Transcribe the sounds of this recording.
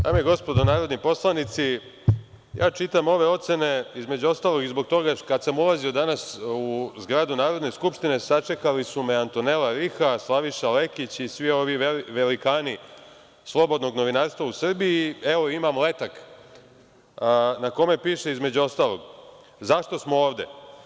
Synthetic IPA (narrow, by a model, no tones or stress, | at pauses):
d̪a̰ːmijeɡo̞spo̞d̪onaːɾo̞d̪nipo̞slˠanit̪si | jʔaːt͡ʃit̪amo̞ʋe̞o̞t̪se̞ne̞izme̞d͡ʑuo̞st̪aːlo̞ɡizbo̞ɡ̚t̪o̞ɡakad̪samulazio̞d̪anasuzɡɾad̪unaːɾo̞d̪ne̞skupʃt̪ine̞sat͡ʃe̞kalisume̞ant̪one̞laɾixaslˠaʋiʃale̞kit͡ɕisʋio̞ʋiʋelikaːni | slˠo̞bo̞d̪no̞ɡno̞ʋinaːɾst̪ʋausr̩biieʋo̞imamle̞t̪ak | nako̞me̞piːʃe̞izme̞d͡ʑuo̞st̪alˠo̞̰ɡ | zaʃt̪o̞smooːʋd̪e̞̰